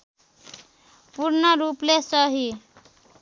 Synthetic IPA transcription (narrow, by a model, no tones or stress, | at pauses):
purnʌɾuplesʌɦi